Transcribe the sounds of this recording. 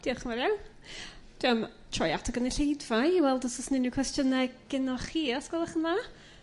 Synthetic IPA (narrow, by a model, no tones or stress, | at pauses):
d̥iːɔχənmaɾjawn | d̥iɔm | tʰrɔjatʰɔɡəniɬejdvajiwɛlˠdɔsɔsnɪnuwkʰwɛstjənɛɡɡ̥ɪnɔχiːɔsɡ̥ɔlˠaχəna